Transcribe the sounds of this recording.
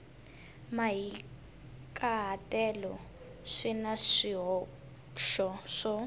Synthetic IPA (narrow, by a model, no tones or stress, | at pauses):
maɦi | kʼaɦatʼɛlɔ | ʂinaʂiɦɔ | ʃɔʂɔ